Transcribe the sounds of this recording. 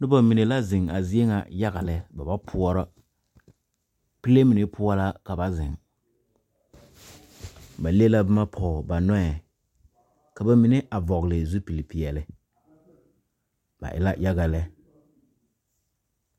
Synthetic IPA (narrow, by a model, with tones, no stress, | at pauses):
nɪ˦ba˨mi˨ne˨la˦zɪ˨ŋa̰˨zi˦e˦ŋa̰˨ja˦ɡa˨lɛ˨ba˨ba˦pʰʊ˦ɔ˦ɾɔ˦ | pi˦le˦mi˨ne˨pʰʊ˦ɔ˦la˦ka˨ba˨zɪ˨ŋ | ba˨le˦la˦bɪ˦ma˦pʰɔ˨ba˨nɔ˦ɛ˨ | ka˨ba˦mi˨ne˦ʔa˨vɔ˨ɣlɪ˨zu˦pi˨li˨pi˨ɛ˨lɪ˨ | ba̰˨ʔɪ̰˨la˦jʔa˦ɡa˨lɛ˦